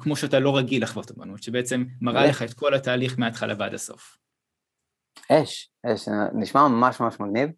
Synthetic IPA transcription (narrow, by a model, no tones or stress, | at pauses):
kmo̞ʃeatalo̞ʁaɡilaχvot̪oma̰nut̪ʃebeet͡se̞mːaʁaleχaet̪̚ko̞lataːliχmeat̪χalʔa̰va̰daso̞̰f | eʃ | eʃniʃmamamaʃmamaʃmaɡniv